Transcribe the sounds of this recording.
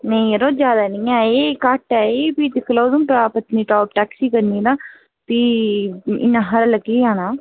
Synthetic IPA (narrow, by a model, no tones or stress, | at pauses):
nəĩɾoːd͡ʒjaːd̪aːnĩːãːeːkaʈɛːepiːt̪ɪkʰloːzumpaːpət̪niːʈɔːp̚ʈɛːksiːkəɾniːd̪ãː | piː | ɪ̰nãːɦəɾləɡiːãːnaː